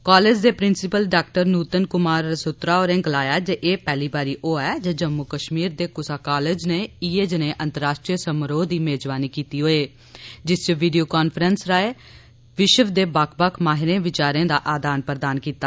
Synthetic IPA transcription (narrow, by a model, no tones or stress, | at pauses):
kaːleːd͡ʒd̪eːpɾɪnsɪpəlɖaːkʈəɾnuːt̪ənkʊmaːɾsʊt̪ɾaːoːɾẽːɡəlaːjaːd͡ʒeʔeːpɛːliːbaːɾiːʔoːɛːd͡ʒeːd͡ʒəmːʊkəʃmiːɾd̪eːkʊsaːkaːleːd͡ʒneːiːeːd͡ʒneːʔə̃nt̪əɾaːʃʈɾiːəsəmɾoːd̪iːmeːd͡ʒʋaːniːkiːt̪iːɦoːeː | d͡ʒɪst͡ʃəʋiːɖijoːkaːnpʰəɾənsɾaːeː | ʋɪʃəʋd̪eːbaːkʰbakʰmaːɦɪɾẽːʋɪt͡ʃaːɾẽːd̪a̰ːʔaːd̪aːnpəɾd̪aːnkiːt̪aː